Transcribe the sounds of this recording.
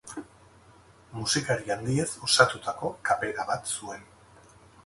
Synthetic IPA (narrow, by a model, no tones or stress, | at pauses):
musikaɾiand̪iesosat̪ut̪ʰako̞kape̞ɾaβat̪sue̞n